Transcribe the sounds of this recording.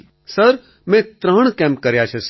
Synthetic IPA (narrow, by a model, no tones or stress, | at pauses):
sɐɾ | mɛ̃t̪ɾãːɳ̃kɛ̃ːmp̚kɐɾjat͡ʃʰes